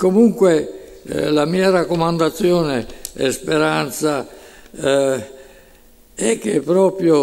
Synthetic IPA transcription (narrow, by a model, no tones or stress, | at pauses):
komuŋkwe | lamiːaɾakːomand̪at̪sːjoːneɛ̰speɾant̪sa | ɛkːepːɾɔːpɾjo